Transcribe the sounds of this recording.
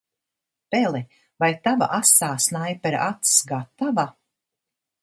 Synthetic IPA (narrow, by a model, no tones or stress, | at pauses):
pɛlɛ | vajt̪ava̰ʔasaːsnajpɛɾʔat̪sɡat̪ava